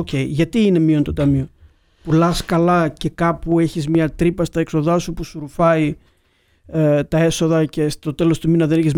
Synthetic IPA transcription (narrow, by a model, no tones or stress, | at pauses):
oce̞iʝɐt̪iine̞mio̞nt̪o̞t̪ɐmio | pulɐskɐlɐce̞kɐpue̞çizmɲɐt̪ɾipɐst̪ɐekso̞ðɐsupusuɾufɐi | et̪ɐe̞so̞ðɐce̞st̪o̞t̪e̞lo̞st̪uminɐðeneçiz